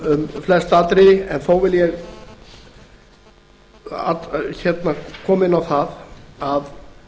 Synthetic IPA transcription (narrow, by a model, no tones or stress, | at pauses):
mflɛst̪at̪ɾɪɛnθoːwvɪljɛɣ | a̰t̪çɛt̪nakʰɔːmɪnawθaðað